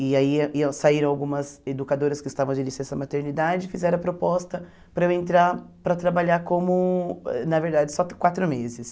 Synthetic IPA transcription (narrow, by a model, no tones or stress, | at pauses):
ɪaisaiɾɐ̃w̃awɡũmɐzed̪ukad̪oɾɐskɪist̪avɐ̃w̃d͡ʒɪlisẽsɐmat̪eɾnid̪ad͡ʒɪfizɛɾɐ̃ɐpɾopɔst̪ɐ | pɾɐewẽnt̪ɾaɾpɾɐt̪ɾabaʎakõmʊɛ̰nɐveɾd̪ad͡ʒɪsɔkwat̪ɾʊmezɪs